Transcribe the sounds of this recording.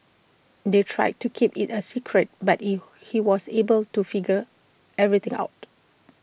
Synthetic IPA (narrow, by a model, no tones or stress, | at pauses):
detʰɹa̰jd̚tukʰipitəsikʰɹət̚bati | hiwɔsebəltufiɡə | ɛvɹit̪ɪ̃ŋa̰ʊt̚